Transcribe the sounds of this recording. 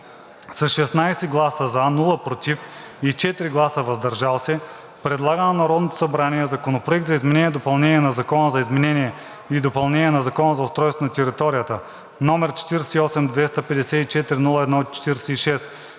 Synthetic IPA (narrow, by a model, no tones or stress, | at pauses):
sɐsʃɛsnajsɛɡlˠasəzanulˠəpɾot̪ʲif | it͡ʃɛt̪ɾiɡlˠasəvɐzd̪ɐɾʒalˠsɛ | pɾɛd̪lˠaɡənɐnɐɾɔd̪not̪o̥sɐbɾaniɛzɐkonopɾoɛk̚t̪zɐizmɛnɛniɛd̪opɐlˠnɛnʲiɛnɐzɐkɔnəzɐizmɛnɛniɛ | id̪opɐlˠnɛnʲiɛnɐzɐkɔnəzɐʊst̪ɾɔjst̪vonɐt̪ɛɾit̪ɔɾijət̪ə | nɔmɛɾt͡ʃɛ̥t̪iɾsɛiɔsɛmd̪vɛst̪əpɛd̪ɛsɛit͡ʃɛt̪ɾinulˠəɛd̪nɔtt͡ʃɛ̥t̪iɾsɛiʃɛs